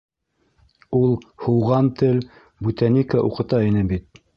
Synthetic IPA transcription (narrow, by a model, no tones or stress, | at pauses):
ulˠhuwʁɑnt̪ɘl | but̪ænikaʔuqɤ̆t̪ɑinɘbit̪̚